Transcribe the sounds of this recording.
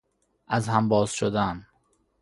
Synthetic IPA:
ʔæzhæmbɒːz̥ʃod̪æn

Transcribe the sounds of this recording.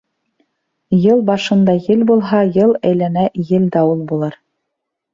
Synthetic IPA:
jɤlˠbɑʃɤ̆nd̪ɑjɘlbulˠɦɑjɤlˠæ̆jlænæjɘld̪æulˠbulˠɤɾ

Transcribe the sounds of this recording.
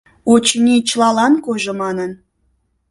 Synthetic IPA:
ot͡ɕnʲit͡ɕlɑlɑnkoʒomɑnən

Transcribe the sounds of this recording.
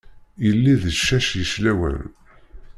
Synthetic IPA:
jəlːiðəʃːæʃjəʃlæwæ̰l

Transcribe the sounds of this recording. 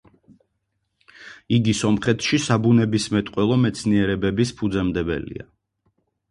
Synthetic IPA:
iɡisɔmχɛt̪ʰʃisabunɛbismɛt̪ʼqʼwɛlˠɔmɛt̪sʰniɛɾɛbɛbispʰud̪zɛmd̪ɛbɛ̰lḭa

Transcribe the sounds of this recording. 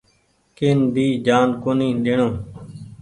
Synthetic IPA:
kɪnbʱiːd͡ʒaːnkoːnĩːɗɪɳõː

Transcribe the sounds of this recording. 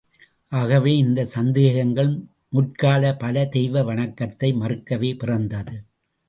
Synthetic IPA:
ʔaːɣɐʋeːɪnd̪ɐsɐnd̪eːɣɐŋɡɐɭ | mʊʈ̚kaːlɐpɐlɐt̪ɛjʋɐʋɐɳɐkːɐt̪ːɐɪmɐrɯkːɐʋeːpɪrɐnd̪ɐðɯ

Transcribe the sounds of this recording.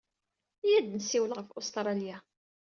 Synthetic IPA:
jæd̪nəsːiwəlʁəfʊst̪ɾˤɑlja

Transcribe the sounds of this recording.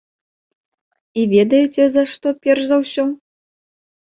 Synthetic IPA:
ivʲɛd̪ɐjɛt͡sʲɛzɐʂt̪ɔpʲɛrʂzɐwsʲɔ

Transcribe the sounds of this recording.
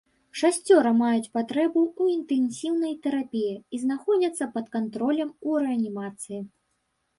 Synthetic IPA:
ʂasʲt͡sʲɔɾɐmajut͡sʲpat̪ɾɛbuuint̪ɛnsʲiwnɐjt̪ɛɾapʲijɛiznaxɔd͡zʲɐt̪sːɐpɐt̪kant̪ɾɔlʲɐmuɾɛɐnʲimat̪sɨji

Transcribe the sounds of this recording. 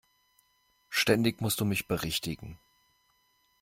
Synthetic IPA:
ʃtɛndɪçmʊstd̥uːmɪçb̥əʁɪçtɪɡŋ̩

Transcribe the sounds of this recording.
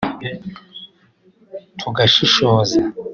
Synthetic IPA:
tʰuɡaʃiʃoːza

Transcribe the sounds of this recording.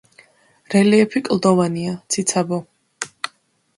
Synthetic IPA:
ɾɛliɛpʰikʼlˠd̪ɔvaniat̪sʰit̪sʰabɔ

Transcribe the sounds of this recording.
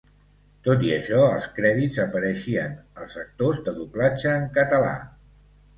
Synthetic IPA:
t̪ot̪iə̰ʃɔəlˠskɾɛðizəpəɾəʃiənəlˠzək̚t̪ozðəðuplad͡ʒəːŋkət̪əla̰

